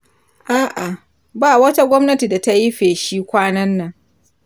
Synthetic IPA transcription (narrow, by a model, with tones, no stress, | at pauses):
ʔaː˦ʔa˨ | baː˦wɐ˦ta˦ɡʷɔ˦mnɐ˦ti˨da˨ta˦ji˦ɸeː˨ʃiː˦kʷaː˦nɐ˦nːɐ˨ŋ